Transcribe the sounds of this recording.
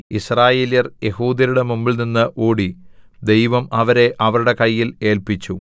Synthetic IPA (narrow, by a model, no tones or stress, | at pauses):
israːje̞ːljɐrje̞huːd̪ɐɾuɽe̞mumbilninːɨʔoːɽid̪e̞jʋɐmɐʋɐɾe̞ʔɐʋɐɾuɽe̞kɐjːile̞ːlpit͡ɕːu